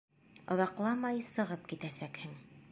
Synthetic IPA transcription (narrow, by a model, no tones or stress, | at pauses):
ŏðɑqlˠɑmɑjsɤ̆ʁɤp̚kit̪æsækhɘŋ